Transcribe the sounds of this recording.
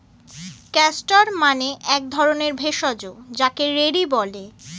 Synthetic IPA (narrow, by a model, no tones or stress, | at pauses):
kɛsʈaɾmaneʔɛk̚d̪ʱɔɾoneɾbʱeʃɔd͡ʑod͡ʑakeɾeɽibɔle